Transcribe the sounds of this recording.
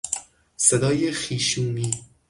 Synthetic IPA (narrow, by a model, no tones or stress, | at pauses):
sed̪ɒːjexiːʃuːmiː